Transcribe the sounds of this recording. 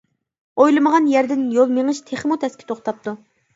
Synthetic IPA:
ojlˠɨməʁɑnjæɾd̪ɪnjolˠmeŋɨʃt̪ʰeχmut̪ʰɛskʲi̥t̪ʰoχt̪ɑp̚t̪ʰu

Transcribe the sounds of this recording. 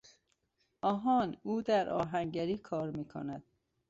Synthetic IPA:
ʔɒːɦɒːnuːd̪æɾʔɒ̰ːɦæŋɟæɾiːkʰɒːɾmiːkʰo̰næd̪̥

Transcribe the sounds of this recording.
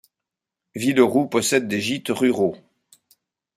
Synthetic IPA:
viləʁupɔsɛd̪ːeʒit̪ʁyʁo

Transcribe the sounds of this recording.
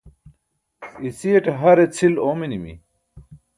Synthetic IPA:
isieʈɦɐɾet͡sʰiloːminimḭ

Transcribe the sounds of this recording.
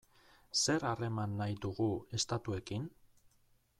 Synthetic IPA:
se̞ɾare̞manːajðuɣue̞st̪at̪ue̞kin

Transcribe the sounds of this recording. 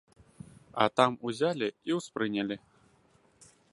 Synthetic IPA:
ɐ̰t̪amuzʲalʲiiwspɾɨnʲɐlʲi

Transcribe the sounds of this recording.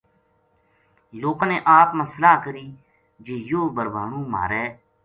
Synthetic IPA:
loːkãːneːʔaːpməslaːkəɾiː | d͡ʒeːjoːbəɾbaːɳũːma̰ːɾɛː

